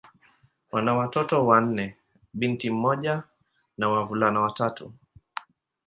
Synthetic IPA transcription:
wanawatɔtɔwan̩nɛ | ɓintim̩mɔʄa | nawavulanawatatṵ

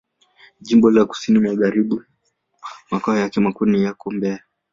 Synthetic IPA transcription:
ʄimbɔlaku̥sinimaɣaɾiɓu | makaɔjakɛmakunijakɔmbɛa

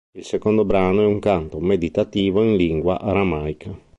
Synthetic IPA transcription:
ilsekond̪obɾaːnoɛuŋkant̪omed̪it̪at̪iːvoinliŋɡwaʔaɾamajka

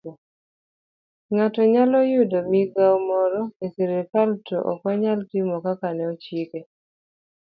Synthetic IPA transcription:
ŋatɔɲalɔjʊdomiɡaumɔɾɔesiɾetaltɔ̰ʔɔ̰kwɔɲaltimɔkakanɛɔt͡ʃike

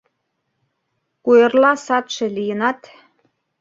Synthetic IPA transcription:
kujĕrlɑsɑt̪ʃĕlijənɑt̪

